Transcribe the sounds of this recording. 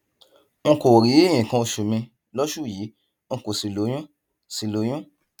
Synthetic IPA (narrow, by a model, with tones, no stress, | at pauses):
ŋ̩˧ko˨ɾi˨˦e˦˨j̃ĩ˨kã˧o˧ʃu˨mĩ˧ | lɔ˦ʃu˦˨jiː˨˦ | ŋ̩˧ko˨si˨lo˨˦j̃ũ˦ | si˨lo˨˦j̃ũ˦